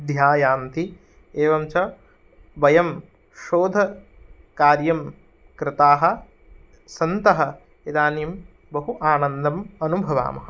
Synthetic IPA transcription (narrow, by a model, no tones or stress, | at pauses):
d̪ʱjaːjaːnt̪i | eːʋɐmt͡ʃɐ | bɐjɐm | ʃoːd̪ʱɐ | kaːɾjɐm | kɾɪt̪aːɦɐ̆ | sɐnt̪ɐɦɐ̆ | ed̪aːnjɐm | bɐɦuʔaːnɐnd̪ɐmɐnubʱɐʋa̰ːmɐɦɐ̆